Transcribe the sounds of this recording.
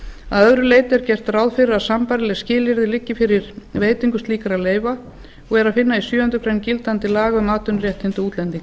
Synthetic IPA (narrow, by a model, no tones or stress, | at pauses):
a̰ðœðɾʏleːjt̪ɛɾ̥cɛr̥t̪rawðfɪɾɪɾaðsampaɾɪlɛɣscɪːlɪɾðɪlɪcːɪfɪɾɪɾ̥veːjt̪iŋkʏst̪liːkaɾaðleːjva | ɔɣɛɾaðfɪnːaisjœːʏnt̪ʏkʰɾɛncɪlt̪ant̪ɪlaːɣʏmaːt̪ʏnrjɛht̪ɪnt̪ʏuːt̪lɛnt̪iŋk